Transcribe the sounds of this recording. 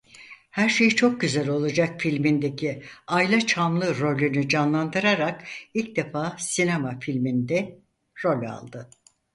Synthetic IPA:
hæɾʃe̞jit͡ʃʰo̞k̚ɟyzælʲo̞lˠad͡ʒakfilʲmind̪e̞cʰiajlʲˠat͡ʃʰamlˠɯɾo̞lʲynyd͡ʒanlˠand̪ɯɾaɾakilʲc̚d̪e̞faːsinemafilʲmind̪ɛ | ɾo̞lʲa̰lˠd̪ɯ

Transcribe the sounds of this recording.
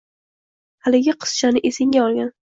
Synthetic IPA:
halɪɡʲɪqʰɨ̥sʃanɪʔesɪŋɡʲaɒlˠɡʲan

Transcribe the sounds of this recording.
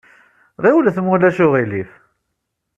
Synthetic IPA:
ʁiwəlθmulæʃʊʁilif

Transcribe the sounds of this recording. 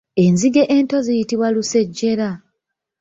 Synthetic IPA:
e̞nziɡeʔento̞zijitiβwaluse̞ɟːe̞ɾa

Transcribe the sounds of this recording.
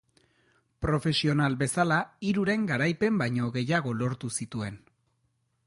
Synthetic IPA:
pɾo̞fe̞sio̞nalbe̞salaiɾuɾe̞ŋɡaɾajpe̞mbajɲo̞ɣe̞jaɣ̞o̞lo̞ɾt̪usit̪ue̞n

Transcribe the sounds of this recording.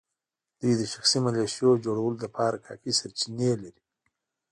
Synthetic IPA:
d̪̥ujd̪əʃaxsimaleʃjod͡ʒoɽawəlod̪apʰɑɾakʰɑ̰kisaɾt͡ʃinelaɾi

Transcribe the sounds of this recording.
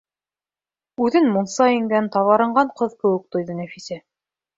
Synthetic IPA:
ʉðɘnmunsɑiŋɡænt̪ɑβɑɾɤ̆ɴɢɑɴqɤðkɘ̆wɘ̆k̚t̪ŏjðɤnæfisæ

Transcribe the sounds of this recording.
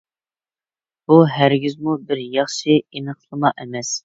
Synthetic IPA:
b̥uɦæɾɡʲizmubɪɾjɑχʃɪinəχlˠəmɑʔɛmɛs

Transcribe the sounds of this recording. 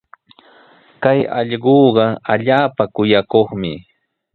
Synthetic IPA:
kajɑ̰ʎɢoːɢɑaʎaːpakʊjakoχmɪ

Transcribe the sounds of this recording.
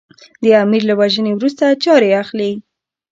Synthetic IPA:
d̪əamiɾlawaʒənewɾust̪at͡ʃɑɾeaxli

